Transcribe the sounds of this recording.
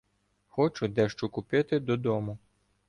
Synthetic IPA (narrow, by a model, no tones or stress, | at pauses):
xɔt͡ʃʊd̪ɛʃt͡ʃʊkʊpɪt̪ɪd̪ɔd̪ɔmʊ